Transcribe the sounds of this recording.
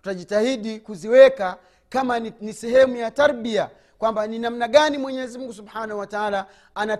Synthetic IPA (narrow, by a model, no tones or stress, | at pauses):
tu̥taʄitahiɗikuziwɛka | kamanisɛɦɛmujataɾɓia | kwambaninam̩naɡanimwɛɲɛɛzimuŋɡusubħanahuwataala | ana